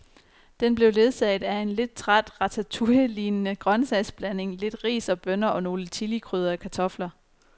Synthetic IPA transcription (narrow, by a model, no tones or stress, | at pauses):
d̥enb̥le̝ʊle̝ð̞ˠsɛɪd̥æe̝nle̝d̥̚t͡sʰʁad̥ʁɑt͡sʰæt͡sʰuəliːnnəɡ̥ʁɶnsɛɪsb̥læne̝ŋle̝d̥ʁḭːsɒ̽b̥œnɐʔɒ̽no̝ːlət͡sʰilikʰʁyːð̞ˠɐækʰæt͡sʰɒ̽flɐ